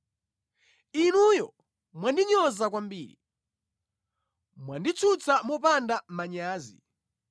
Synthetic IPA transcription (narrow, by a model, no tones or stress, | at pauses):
inujɔ | mwandiɲɔzakwambiːɾḭ | mwandit͡sʰut͡samɔpandamaɲaːzi